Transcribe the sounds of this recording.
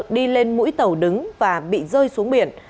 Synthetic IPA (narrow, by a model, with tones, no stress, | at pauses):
ək̚ɗi˧le˧nmṵ˧˥jt̪ə˨˩wɗɨ˨˦ŋvaː˨˩ɓḭ˧˨zəː˧jsu˨˦əŋɓi˨˧˩ən